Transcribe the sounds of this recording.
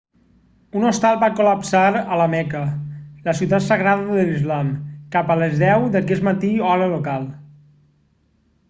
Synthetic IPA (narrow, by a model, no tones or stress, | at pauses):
unost̪alˠbakuləpsaɾələmɛkələsiuwt̪at̪səɣɾaðəðəlizlamkapəlezðɛwd̪əkɛsmət̪iɔɾəlokalˠ